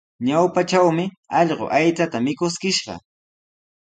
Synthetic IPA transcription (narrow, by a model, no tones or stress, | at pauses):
ɲawpaʈ͡ʂawmɪ | ɑʎɢo̰ʔajt͡sat̪amɪkʊskɪʃɢɑ̰